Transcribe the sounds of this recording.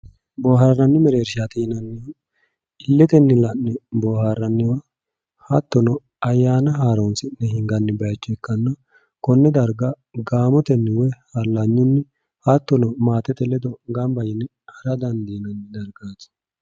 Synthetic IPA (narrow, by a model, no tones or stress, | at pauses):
bɔːharːɐnːɪmɛɾeːɾʃat̪inɐnːɪw | ɪlːɛt̪ɛnːɪlɐnːɪboːhaɾːɐnːɪwɐ | hɐt̪ːɔnɔ | ɐjːaːnɐɦaːɾɔnsɪnːɛhɪŋɡɐnːɪbɛɐt͡ʃːɔɛkːɐnːɐ | kɔnːɛd̪ɐɾɡɐ | ɡaːmɔt̪ɛnːɪwɔjhɐlːɐɲːʊnːɪ | hɐt̪ːɔnɔmaːt̪ɛt̪ɛlːɛd̪ɔɡɐmbɐjɪnːɛ | hɐɾɐd̪ɐnd̪inɐnːɪd̪ɐɾɡaːt̪